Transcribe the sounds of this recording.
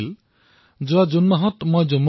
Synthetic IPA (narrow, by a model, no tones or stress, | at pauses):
l | d͡ʒɔwad͡ʒunmɔɦɔt̪mɔjd͡ʒɔmː